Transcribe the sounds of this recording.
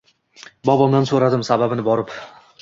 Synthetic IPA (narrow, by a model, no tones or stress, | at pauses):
bɒbɒmd̪ansoɾad̪ɪmsababɪnɪbɒɾɪp